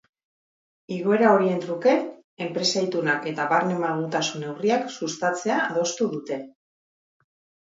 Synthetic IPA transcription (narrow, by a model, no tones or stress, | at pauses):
iɣo̞e̞ɾao̞ɾie̞nt̪ɾuke̞ | e̞mpɾe̞sajt̪unake̞t̪aβaɾnemaɣut̪asune̞wriaksust̪at͡se̞aːð̞o̞st̪uðut̪e̞